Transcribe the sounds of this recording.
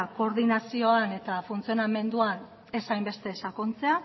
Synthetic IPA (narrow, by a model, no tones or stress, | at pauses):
ko̞ɾðinasio̞ane̞t̪afunt͡sio̞name̞nd̪uan | e̞sajmbe̞st̪e̞sakont͡se̞a